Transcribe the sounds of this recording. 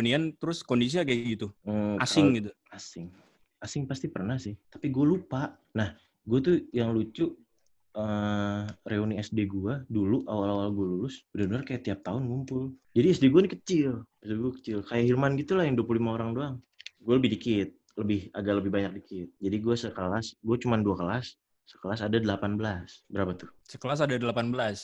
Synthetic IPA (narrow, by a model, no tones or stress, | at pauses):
niant̪əɾʊskondis̬iakaɡit̪um̩asaɪŋɡit̪u | asɪŋ | asɪŋpast̪ipərnahsɪht̪ḁpiɡualupaʔ | nah | ɡuat̪ujaŋlut͡ʃuʔ | ə | reoniɛsdeɡuaduluʔawalawalɡualulʊsudabənərkajat̪iap̚t̪aʊnkumpʊld͡ʒadiɛsdeɡuanikət͡ʃɪlɛsdeɡuakə̥t͡ʃɪlkajaɦilmanɡit̪ulahjaŋduapulimaoɾaŋduaŋ | ɡualəbɪhdikɪt̪̚ | ləbɪhaɡaʔləbɪhbaɲak̚dikɪt̪̚d͡ʒadiɡuasəkəlasɡuat͡ʃumanduakəlasː | ə̥kəlasadadəlapanbəlasbəɾapat̪ʊ̥səkəlas̬adadəlapanbəlas